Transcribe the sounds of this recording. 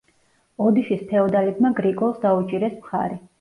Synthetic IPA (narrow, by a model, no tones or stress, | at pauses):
ɔd̪iʃispʰɛɔd̪alɛbmaɡɾikʼɔlˠsd̪aut͡ʃʼiɾɛsmχa̰ɾɛ